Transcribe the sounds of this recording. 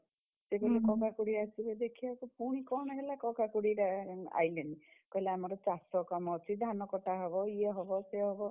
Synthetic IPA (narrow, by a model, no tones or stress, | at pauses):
sebelekɔkakuɽiasibed̪ekʰibakupuɽ̃ikɔɽ̃ɔɦelakɔkakuɽiɾea̰jlenikɔileamɔɾɔt͡ʃasɔkamɔt͡ʃʰid̪ʱanɔkɔʈaɦɔβɔieɦɔbɔseɦɔbɔ